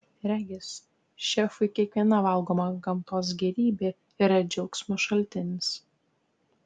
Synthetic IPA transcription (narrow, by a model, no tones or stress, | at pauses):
ɾʲæːɡʲɪs | ʃʲɛfʊɪkʲiɛkʋʲiɛnɐʋɐlˠɡoːmɐɡɐmt̪oːs̬ɡʲɛɾʲiːbʲeː | iɾɐd͡ʒʲɛʊksʲmʲʊʃɐlʲt̪ʲɪnʲɪs